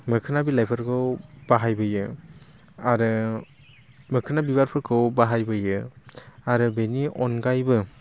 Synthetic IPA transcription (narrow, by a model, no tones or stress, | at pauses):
mɯkʰɯnabilajpʰɯɾkʰɯwb̥aɦajbɯjɯ | aɾɯ | mɯkʰɯnabibaɾpʰɯɾkʰɯwbaɦajbɯjɯ | aɾɯbeniʔɔnɡajbɯ